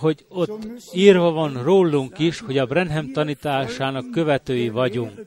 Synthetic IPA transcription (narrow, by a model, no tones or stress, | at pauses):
ɦo̞ɟo̞t̪ːiːrvɒvɒnroːlːuŋkiʃho̞ɟɒbrɛnɦɛmt̪ɒniːt̪aːʃaːnɒkːø̞vɛt̪øːjivɒɟuŋk